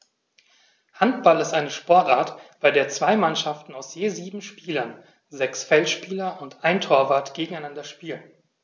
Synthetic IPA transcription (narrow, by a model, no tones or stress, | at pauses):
hantb̥alɪstʔaɪnəʃpɔɐtʔaɐtb̥aɪdeːɐt͡sv̥aɪmanʃaftn̩aʊsjeːziːbm̩ʃpiːlɐn | zɛksfɛlʃpiːlɐʊntʔaɪntʰoːɐvaɐtɡ̥eːɡŋ̩aɪnandɐʃpiːlən